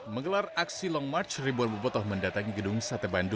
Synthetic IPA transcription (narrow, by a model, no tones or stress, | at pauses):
məŋɡəlaraksilɔŋmat͡ʃribuanbupɔt̪ɔhməndat̪aŋiɡədʊŋsat̪əbandu